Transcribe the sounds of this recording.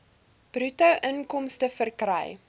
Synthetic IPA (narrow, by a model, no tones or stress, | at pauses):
b̥rʉtɐwʔənkɔmstəfərkrɛ̰j